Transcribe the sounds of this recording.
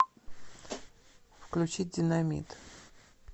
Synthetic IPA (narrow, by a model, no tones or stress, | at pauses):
fklʲʉt͡ɕit̚ʲdʲɪnɐmʲḭt̪